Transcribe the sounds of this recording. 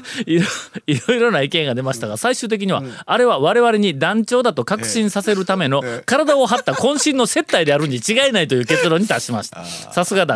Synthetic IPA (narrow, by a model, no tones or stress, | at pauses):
iɾoiɾo̞jɾo̞naikẽ̞ŋɡad̪e̞maɕi̥t̪aɡasaiɕɨːt̪e̞k̬ʲiɲ̟iβa̰aɾe̞βaβ̞aɾe̞β̞aɾe̞ɲ̟id̪ãɲt͡ɕo̞ːd̪at̪o̞kakɯ̟̥ɕĩɰ̃sase̞ɾɯ̟t̪ame̞no̞kaɾad̪ao̞ɦat̪ːakõ̞ɕĩnːo̞se̞t̪ːaid̪eaɾɯ̟ɲ̟ːit͡ɕiɡaenait̪o̞jɯ̟ːke̞t͡sɨɾo̞ːɲ̟it̪aɕimaɕi̥t̪ḁsasɨɡad̪a